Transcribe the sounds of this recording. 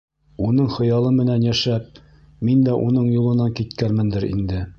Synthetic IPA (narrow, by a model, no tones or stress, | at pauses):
unɤɴχɤ̆jɑlˠɤmɘ̆nænjæʃæp̚ | mind̪æʔunɤɴjulˠɤ̆nɑŋkit̪kæɾmɘ̆nd̪ɘɾḭnd̪ɘ